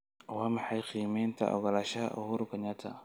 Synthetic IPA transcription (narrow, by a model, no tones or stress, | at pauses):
wamɪħajqiːmɛnt̪ʰa̰ʔɔ̰ɡɐlaʃaʔɔ̰huɾkaɲat̪ʰa̰